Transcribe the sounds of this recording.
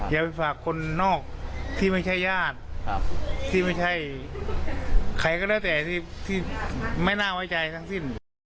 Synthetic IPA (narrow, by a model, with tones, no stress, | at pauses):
jaː˨˩pa˧˩jfʰaː˨˩kʰːo˧nːɔː˥˩k̚t̪ʰiː˥˩ma˥˩jt͡ɕʰa˥˩jːaː˥˩t̪̚ | t̪ʰiː˥˩ma˥˩jt͡ɕʰa˥˩j | kʰa˧˩jkɔː˧˥˩daː˧˥˩t̪ɛː˨˩t̪iː˧˥˩t̪ʰiː˥˩ma˥˩jnaː˥˩˨wa˦˥jt͡ɕa˧jt̪ʰa˦˥ŋsi˧˥˩n